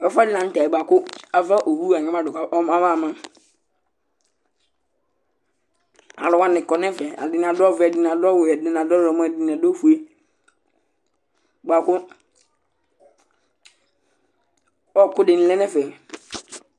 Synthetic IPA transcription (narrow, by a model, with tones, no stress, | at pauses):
ɔ˦fa˦dɪ˦nã˨n̩˦ta˨ɛ˨ba˨kʊ˦a˨va˦ʔo˨wu˦a˨ɲɛ̃˦ma˦dʊ˨ka˨˦ma˦va˦˨mã˦ | a˨lʊ˨wã˦nɪ̃˨kɔ˨nɛ̃˦fɛ˨a̰˨dɪ˨˦n˨a˨dɔ˦vɛ˨dɪ˨nã˨dɔ˦wɛ˨dɪ˨n˨a˨dɔ˦˨ɔ˨mã˦˨dɪ˨n˨a˨dɔ˦fu˨e˦ | ba˨kʊ˦ | ɔ˦˨kʊ˦dɪ˨n̩˦lɛ˦nɛ̃˦fɛ˨